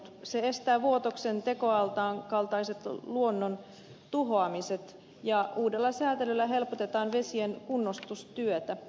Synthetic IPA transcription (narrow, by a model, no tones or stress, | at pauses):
seest̪æːʋuot̪oksent̪e̞ko̞ɑlt̪ɑːŋkɑlt̪ɑise̞t̪luonːon | t̪uɦoɑmiset̪ | jɑuːdelːɑsæːt̪elylːæɦe̞lpot̪e̞t̪ɑːnʋesienkunːost̪ust̪yøt̪æ